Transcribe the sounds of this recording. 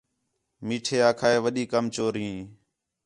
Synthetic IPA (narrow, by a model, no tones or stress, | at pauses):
miːʈʰeːaːkʰaːeːʋəɗiːkəmt͡ʃoːɾɦĩː